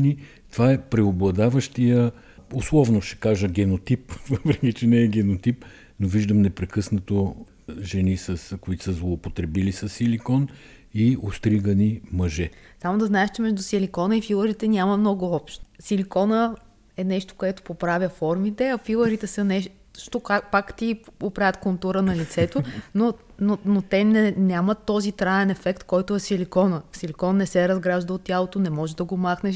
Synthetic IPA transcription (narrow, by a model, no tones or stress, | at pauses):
ni | t̪ovaɛpɾɛoblˠɐd̪avəʃt̪ijə | oslˠɔvnoʃɛ̥kaʒəɡʲɛnot̪ipvəpɾɛkʲit͡ʃɛnɛːɡʲɛnot̪ip | noviʒd̪əmnɛpɾɛkɤsnɐt̪o | ʒɛnisəskoit̪o̥səzlˠoːpot̪ɾɛbilisəsːilikɔn | iost̪ɾiɡənimɐʒɛsamod̪ɐznaɛʃt͡ʃɛmɛʒd̪ʊsilikɔnəifilˠəɾit̪ɛnʲamɐmnɔɡʊɔpʃt̪silikɔnə | ɛnɛʃt̪o̥koɛt̪o̥popɾavʲjəfɔɾmit̪ɛɐfilˠəɾit̪ɛsənɛʃ | ʃt̪okapakt̪iopɾavʲət̪kont̪uɾənɐlit̪sɛt̪ono | nonot̪ɛnɛnʲjamət̪ːɔzit̪ɾaɛnɛfɛkt̪kɔjt̪ʊɛsilikɔnəsilʲikɔnːɛsɛɾɐzɡɾaʒd̪əot̪tʲːjalˠot̪onɛmɔʒɛd̪ɐɡomaxnɛʃ